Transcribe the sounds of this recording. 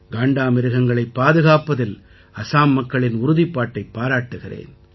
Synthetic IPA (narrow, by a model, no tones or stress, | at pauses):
ɡaːɳɖaːmɪɾɯɣɐŋɡɐɭɐɪpːaːðɯɣaːpːɐðɪl | ɐsaːmːɐkːɐɭɪnʊɾʊðipːaːʈːɐɪpːaːɾaːʈːɯɣɪrḛːn